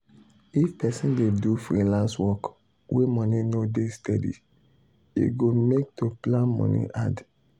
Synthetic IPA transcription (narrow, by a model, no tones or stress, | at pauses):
ifpɛsĩndedufɹilãnswɔk | wemɔ̃ninodestɛdḭ | ḛɡomek̚tʰoplãnmɔ̰̃nḭʔa̰d